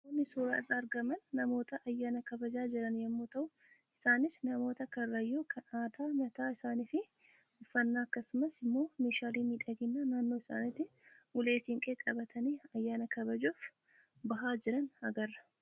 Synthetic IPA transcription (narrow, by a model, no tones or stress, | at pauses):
mʊnːɪsuːɾaːɪrːɐːɾɡɐmɐnːɐmo̞ːt̪ɐʔɐjːaːnɐkɐbɐd͡ʒaːd͡ʒɪɾɐnjɐmːoːt̪ɐʔʊ | ɪsaːnɪsnɐmo̞ːt̪ɐkɐrːɐjːoːkʰɐnaːd̪aːmɐt̪aːɪsaːniːfɪ | ɪfːɐnːaːɐkːɐsʊmɐsɪmːo̞ːmeːʃaːliːmiːᶑɐɡɪnːaːnaːnːo̞ːɪsa̰ːnɪt̪ːɪʔʊle̞ːsɪŋkʼeːkʼɐbɐt̪ʰɐniːɐjːaːnɐkɐbɐd͡ʒoːf | bɐɦaːd͡ʒɪɾɐnɐɡɐrːɐ̥